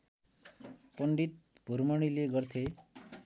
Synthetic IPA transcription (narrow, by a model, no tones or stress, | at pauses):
pəɳɖit̪̚ | b̥ʱuɾmʌɽ̃ileɡʌɾt̪ʰe